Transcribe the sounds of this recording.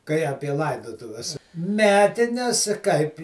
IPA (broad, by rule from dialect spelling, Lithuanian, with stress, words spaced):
kɐɪ ˈɑːpʲiɛ ˈlˠɐɪdoːtʊʋʲɛs ˈmʲæːtʲɪnʲɛs kɐɪp